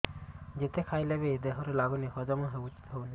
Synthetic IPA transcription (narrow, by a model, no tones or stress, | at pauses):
d͡ʒet̪ekʰajlebed̪eɦɔɾɔlaɡuneɦɔd͡ʒɔmãɦeut͡ʃi̥t̪ɦɔwne